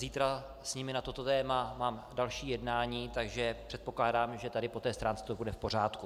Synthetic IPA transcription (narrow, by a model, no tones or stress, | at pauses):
ziːt̪ɾa | sɲɪmɪnat̪o̞t̪ot̪ɛːmamaːmdalʃiːjɛdnaːɲiːt̪aɡʒɛpr̥ɛt̪̚po̞klaːdaːmʒɛt̪adɪpo̞t̪ɛːst̪ɾaːnt͡sɛ̥t̪obudɛfpo̞r̝aːt̪ku